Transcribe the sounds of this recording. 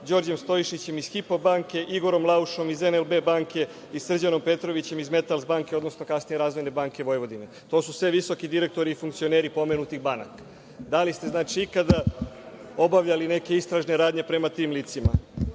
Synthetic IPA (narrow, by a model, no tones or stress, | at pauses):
d͡ʑo̞ɾd͡ʑe̞mst̪o̞iʃit͡ɕe̞misxipobaːŋke̞ʔiɡo̞ɾo̞mlˠauʃo̞mizenelbe̞baːŋke̞ | isr̩d͡ʑano̞mpe̞t̪ɾo̞ʋit͡ɕe̞mizme̞t̪alzbaːŋke̞o̞d̪nosno̞kasnijeɾaːzʋo̞jne̞baːŋke̞ʋo̞jʋo̞d̪ine̞t̪o̞ːsusʋeʋiso̞kid̪iɾe̞k̚t̪o̞ɾiːfuŋkt̪sio̞neɾipo̞me̞nut̪ixbana̰k | d̪alist̪e̞znaːt͡ʃiikad̪a | o̞baʋʎaline̞ke̞ist̪ɾaʒne̞ɾaːd̪ɲe̞pɾe̞mat̪iːmliːt̪sima̰